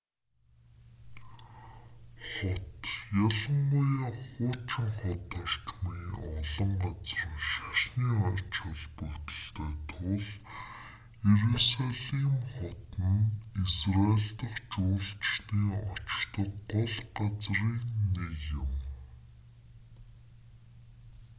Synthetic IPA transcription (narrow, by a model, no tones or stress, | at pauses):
χɔt̪jaɮə̆ŋɢʊjaχʊːt͡ɕɪ̆ŋχɔt̪ɔr̥t͡ɕmiːɔɮɞ̆ɴɢat͡sr̆ʃaʃniːart͡ɕʰăɮpɵrt̪ə̆ɮt̪æːt̪ʰʊɮ | jeɾusaɮiŋχɔt̪ə̆nisraeɮt̪ə̆χt͡ɕʊːɮt͡ɕniːŋɔt͡ɕkt̪ə̆kɢɔɮɢat͡sriːnneɣjɪ̆m